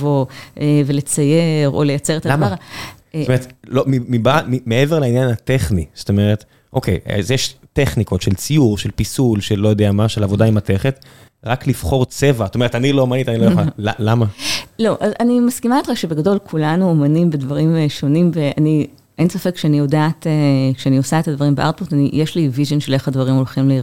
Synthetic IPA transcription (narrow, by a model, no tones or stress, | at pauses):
voevele̞t͡sajeʁo̰lejat͡seʁetalamaʁ | tomeet̪lomimibamimeeveʁlainjanhateχniz̥oto̞me̞ʁet̪ | ʔokʰḛja̰zjeʃteχniko̞tʃelt͡sijuʁʃelpisulʃelːo̞jod̪eamaʃelavo̞daimateχet̪ʁaklifχo̞ʁt͡se̞vazotome̞etaniloomanitanilojoalalamalo̞ʔazanimaskimaet̪χaʃebeɡado̞lkʰulanuomanimvedvɐʁimʃo̞nimveani | ʔensafe̞kʃeanijo̞daːtekʃeanio̞saet̪advɐʁimbea̰ʁt̚potanijeʃlivizonʃele̞χadvaʁimo̞lχimlei